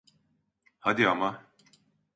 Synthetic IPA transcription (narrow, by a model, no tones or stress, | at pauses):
had̪iama